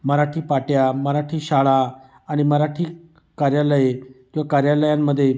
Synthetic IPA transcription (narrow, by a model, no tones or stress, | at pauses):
məɾaʈʰiːpaʈjaməɾaʈʰiːɕaɭa | aɽ̃iməɾaʈʰiː | kaɾjaləjekĩwʋakaɾjaləjamːəd̪ʱːje